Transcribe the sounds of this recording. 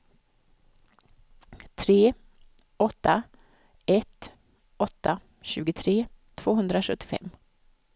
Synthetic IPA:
t̪ʰɾeː | ɔt̪ʰːa | ɛt̪ | ɔt̪ʰːa | ɕʉ̟ːɡət̪ʰɾeːt̪ʰv̥oːɦɵnd̪ɾaʂɵt̪ːɪ̥fɛ̰mː

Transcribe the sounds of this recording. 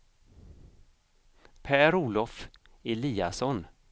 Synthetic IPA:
pʰæːɾuːlɔf | ɪliːasɔn

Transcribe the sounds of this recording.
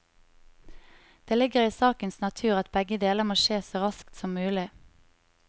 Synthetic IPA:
d̪̥eːlɪɡəʁiːsɑːkənsnɑt̪ʰʉːʁɑt̪̚bɛɡəd̪eːləmoːʃeːsoːʁɑskt̪sɔmːʉːlɪ

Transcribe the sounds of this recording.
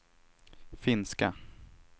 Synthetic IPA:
fɪnska

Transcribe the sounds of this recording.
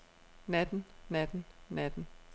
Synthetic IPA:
næd̥n̩næd̥n̩næd̥n̩

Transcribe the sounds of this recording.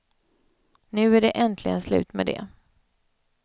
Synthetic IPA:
nʉ̟ːæɖɛʔɛnt̪ʰlɪɡənslʉ̟ːt̪med̪ɛ̰

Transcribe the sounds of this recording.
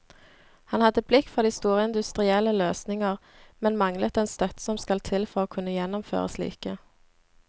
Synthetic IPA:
hɑnhɑd̪əblɪkːfɔʁd̪iːst̪uːʁəɪnd̪ʉst̪ʁɪɛləløːsnɪŋəʁ | mɛnmɑŋlət̪ɛnst̪œt̪sɔmskɑlt̪ʰɪlfɔʁoːkʰʉnːəjɛnɔmfø̰ːʁə̰slḭːkə

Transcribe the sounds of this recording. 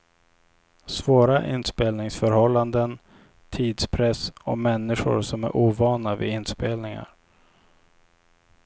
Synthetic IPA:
svoːɾaʔɪ̰nspeːlnɪŋsfœɾhɔlːand̪ən | t̪ʰiːd̪spʰɾɛsɔmɛnːɪɧʊ̰ɾsɔmæɾʔuːvɑːnavɪ̰ɪnːspeːlnɪŋa̰ɾ

